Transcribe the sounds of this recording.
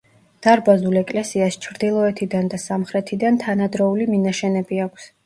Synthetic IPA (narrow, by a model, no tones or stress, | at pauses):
d̪̥aɾbazulɛkʼlɛsiast͡ʃʰɾd̪ilˠɔɛt̪ʰid̪and̪asamχɾɛt̪ʰid̪ant̪ʰanad̪ɾɔuliminaʃɛnɛbiakʷʰs